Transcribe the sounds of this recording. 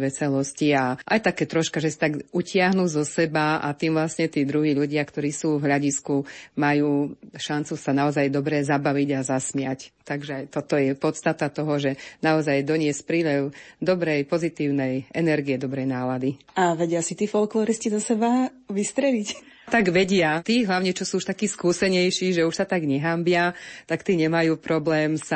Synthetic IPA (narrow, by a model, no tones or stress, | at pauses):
ʋɛsɛlɔsciaʔajt̪akɛːt̪ɾɔʃkaʒɛsat̪aɡucɪaɦnuːzɔsɛbaa̰t̪iːmʋlasɲɛt̪iːd̪ɾuɦiːʎuɟɪakt̪ɔɾiːsuːvɦlʎaɟiskumajuːʃant͡susanaɔzajd̪ɔbɾɛzabaʋiɟazasmɪact̪aɡʒɛajt̪ɔt̪ɔjɛpɔt̪st̪at̪at̪ɔɦɔʒɛnaɔzajd̪ɔɲɪɛspɾiːlɛʊd̪ɔbɾɛjpɔzit̪iːʊnɛjɛnɛɾɡiɛd̪ɔbɾɛjnaːlad̪i | aʋɛɟɪasit̪iːfɔlklɔːɾiscizɔsɛba | ʋist̪ɾɛlic | t̪aɡʋɛɟɪat̪iːɦlaʊɲɛt͡ʃɔsuːuʃt̪akiːskuːsɛɲɛjʃiːʒɛuʃsat̪aɡɲɛɦambɪat̪akt̪iːɲɛmajuːpɾɔblɛːmsa